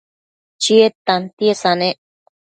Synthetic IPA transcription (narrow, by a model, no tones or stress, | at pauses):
t͡ʃiet̪ant̪iesanẽ